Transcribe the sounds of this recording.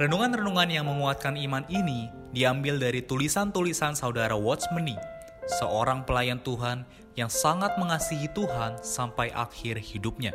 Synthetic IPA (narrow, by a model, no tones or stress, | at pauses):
ɾənuŋanrənuŋanjaŋməŋuat̪̚kanimanini | diambɪldaɾit̪ulisant̪ulisansaudaɾawɔt̪sməni | səʔoɾaŋpəlajant̪uɦan | jaŋsaŋat̪̚məŋasiɦit̪uɦansampajʔa̰kɪrhidup̚ɲa